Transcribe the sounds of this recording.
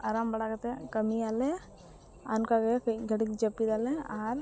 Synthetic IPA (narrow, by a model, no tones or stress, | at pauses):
ɐɾaːmbɐɽakɐt̪ekɐmiaːle | ankaɡkɡɐɽikd͡ʒɐpːid̪aːlẽaːɾ